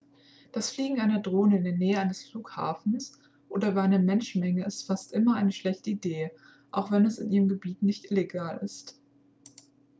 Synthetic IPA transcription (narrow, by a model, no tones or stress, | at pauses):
d̥asfliːɡŋ̩aɪnɐdʁoːnəɪndeːɐnɛːəaɪnəsfluːkha̰ːfn̩s | ʔoːdɐvaaɪnɐmɛnʃn̩mɛŋəɪstfastʔɪmɐʔaɪnəʃlɛçtəideː | ʔaʊxv̥ɛnɛsɪnʔiːʁəmɡəbiːtnɪçtʔɪleɡaːlɪ̰st